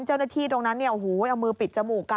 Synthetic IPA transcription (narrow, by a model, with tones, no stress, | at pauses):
nt͡ɕa˥˩wnaː˥˩t̪ʰiː˥˩t̪o˧ŋna˦˥nːi˥˩əʔu˨˩huː˩˦jʔa˧wmɯː˧pi˨˩t̪̚t͡ɕa˧muː˨˩ka˧